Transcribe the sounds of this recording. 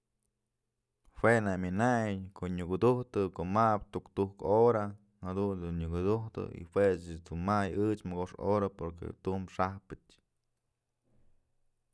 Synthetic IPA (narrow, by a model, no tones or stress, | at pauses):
hwenamʲinajjkoʔɲukud̪uht̪ɨkoʔmab̚t̪ukt̪uhkoɾa | had̪und̪unɲɨkud̪uht̪ɨ̰ḭhwet͡ʃd̪unmajɨt͡ʃmɨɡoʂo̰ɾapoɾkḛt̪umʂahpɨt͡ʃ